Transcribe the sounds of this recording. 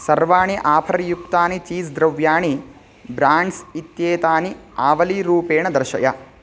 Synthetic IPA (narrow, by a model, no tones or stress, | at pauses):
sɐɾʋaːɳiʔaːpʰɐɾjukt̪aːnit͡ʃiːsd̪ɾɐʋjaːɳi | bɾaːɳɖsit̪jeːt̪aːniaːʋɐliɾuːpeːɳɐd̪ɐɾʃɐ̰jɐ